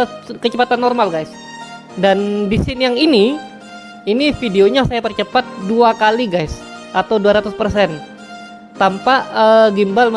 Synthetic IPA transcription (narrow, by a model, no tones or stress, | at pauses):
kət͡ʃəpat̪anːɔrmalɡajs | dandisɪnjaŋini | inifideoɲasajapərt͡ʃəpat̪̚duakaliɡajs | ʔat̪awduaɾat̪uspərsɛn | t̪ampaʔəɡimbalm